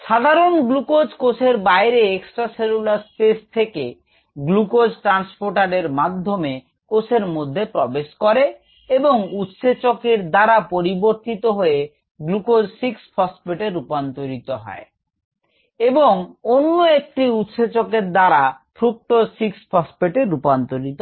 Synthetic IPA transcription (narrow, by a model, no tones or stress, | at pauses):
ʃad̪ʱaɾonɡlukod͡ʑkosʰeɾbajɾeeksʈɾaselulaɾspest̪ʰekḛ | ɡlukod͡ʑʈɾanspoɾʈaɾeɾmad̪ʱːome | kosʰeɾmod̪ʱːepɾɔbeʃkɔɾe | eboŋut̪ʃet͡ɕokeɾd̪aɾapoɾiboɾt̪it̪oɦoe | ɡlukod͡ʑsiksfʰɔspeʈeɾːupant̪oɾit̪oɦɔ̰e | eboŋonːoek̚ʈiut̪ʃet͡ɕokeɾd̪aɾafʰɾuk̚t̪osiksfʰɔspeʈeɾːupant̪oɾit̪o